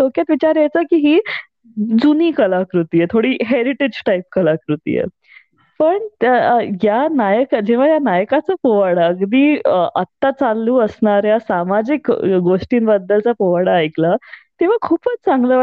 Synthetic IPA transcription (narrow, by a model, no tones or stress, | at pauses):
tokjat̪ʋit͡ɕaɾjajt͡səkiːɦiː | d͡zuniːkəlakɾut̪ijet̪ʰoɽiːɦeɾiʈid͡ʑʈaip̚kəlakɾut̪ḭjḛ | pəɳt̪janajəkd͡ʑeʋ̤ajanajkat͡səpoʋaɽaəɡd̪iːʔət̪ːat͡salːuːəsɳaɾjasamad͡ʑikɡoʂʈiːnbəd̪ːəlt͡sapoʋaɽaːjklat̪eʋ̤akʰuːpət͡st͡saŋɡlə